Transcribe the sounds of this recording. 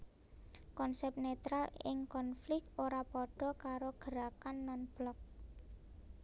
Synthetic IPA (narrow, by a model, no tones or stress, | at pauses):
kɔnsɛp̚net̪ɾalɪ̰ŋkɔnflɪk̪̚oɾapɔɖ̥ɔ̤kaɾoɡ̥əɾakanːɔnb̥lɔk̚